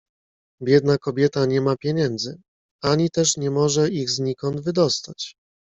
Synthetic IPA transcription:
bʲjɛd̪nakɔbʲjɛt̪aɲɛmapʲjɛɲɛnd̪zɘ | aɲit̪ɛʂɲɛmɔʐɛiɣzɲikɔnd̪vɘd̪ɔst̪at͡ɕ

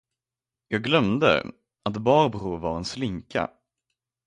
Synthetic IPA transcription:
jɑːɡlœmd̪ə̰ | at̪bɑːɾbɾuvaɾɛnslɪŋkʰa̰

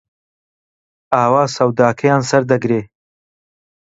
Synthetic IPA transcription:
aːwaːsɐwd̪aːkʰɐjaːnsɐɾd̪ɐɡɾeː

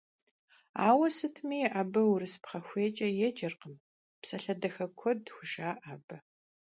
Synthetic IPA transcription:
a̰ːwɐsɨtʰmiʔɐbɐwɾɨspχɐxʷeːt͡ʃʼɐjɛd͡ʒɐrqəm | psɐɬɐdɐxɐkʷʰɔdxʷʊʃaːʔaːbɐ

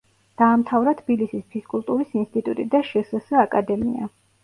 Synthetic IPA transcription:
d̪̥aːmt̪ʰavɾat̪ʰbilisispʰiskʼulˠt̪ʼuɾisinst̪ʼit̪ʼut̪ʼid̪aʃɛsɛsaakʼad̪ɛmḭa

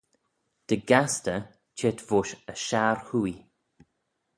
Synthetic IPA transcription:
d̪̥əɡast̪ə | t͡ʃʰeːt̪vʊʃəʃaɹhui

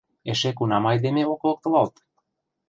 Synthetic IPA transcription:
eʃekunɑmɑjd̪emeoklˠɤ̆k̚t̪ɤ̆lɑlt̪

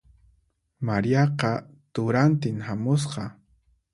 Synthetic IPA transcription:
maɾijɑqɑ | t̪ʊɾant̪ɪŋhamʊs̬qɑ

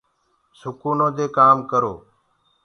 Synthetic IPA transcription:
sʊkuːnõːd̪eːkaːmkəɾoː

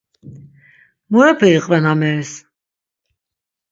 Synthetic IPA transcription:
mɔɛpʰɛiqʼvɛnamɛɾs

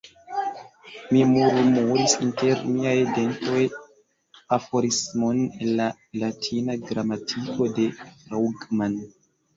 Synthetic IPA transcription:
mimuɾmuɾisinte̞ɾmiajde̞nto̞j | afoɾismonenːa | latʰinaɡɾamatʰiko̞de̞ɾawɡman

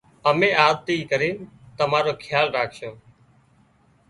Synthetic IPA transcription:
əmẽːaːd̪t̪iːkəɾiːnt̪əmaːɾoːkʰɪjaːlɾaːkʰʃõː

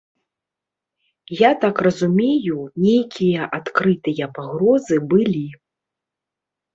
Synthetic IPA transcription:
jat̪akrɐzumʲejunʲejkʲijɐʔat̪kɾɨt̪ɨjɐpaɣɾɔzɨbɨlʲi

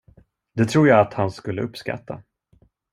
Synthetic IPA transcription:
d̪ɛt̪ʰɾuːɾjaːat̪hanskɵlːə̰ɵpːska̰t̪ːa̰

